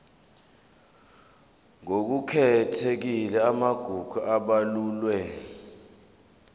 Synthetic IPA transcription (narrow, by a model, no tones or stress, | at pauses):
ŋok̬ukʰɛtʰek̬ilɛamaɡ̥ʱuɡ̥ʱuʔaɓaluːlwɛ